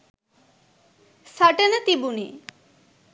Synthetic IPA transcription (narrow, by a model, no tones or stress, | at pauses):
saʈenət̪ibunḭ